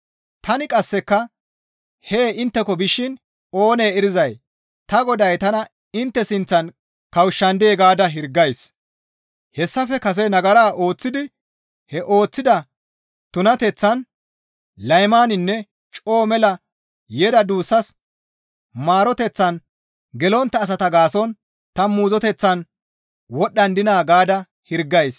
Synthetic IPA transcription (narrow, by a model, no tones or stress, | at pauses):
t̪ɐnɪkʼɐsːɛkːɐ | heːɪnt̪ːɛkɔbɪʃːɪn | o̞ːne̞ːɪɾɪzɐj | t̪ɐɡɔd̪ɐjt̪ɐnɐ | ɪnt̪ːɛsɪnt͡sːɐn | kɐwʃːɐnd̪eːɡaːd̪ɐɦɪɾɡːɐjs | hɛsːɐfɛkɐs̬ɛnɐɡɐɾaːʔo̞ːt͡sːɪd̪ɪ | hɛʔo̞ːt͡sːɪd̪ɐ | t̪ʊnɐt̪ɛt͡sːɐn | lɐjmaːnɪnːɛ | t͡ʃʼo̞ːmɛlɐ | jɛd̪ɐd̪uːsːɐs | maːɾɔt̪ɛt͡sːɐn | ɡɛlɔnt̪ːɐːs̬ɐt̪ɐɡaːsɔn | t̪ɐmuːzɔt̪ɛt͡sːɐn | wɔɗːɐnd̪ɪnaːɡaːd̪ɐ | hɪɾɡːɐjs